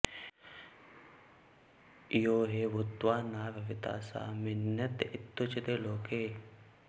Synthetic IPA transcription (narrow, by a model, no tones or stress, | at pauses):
ɪjoːɦeʋʊt̪ːwaːnaːʋɐʋɪt̪a̰ːsa̰ːmɪnːɐt̪ɪt̪ːʊt͡ʃɪt̪eːloːkʰeː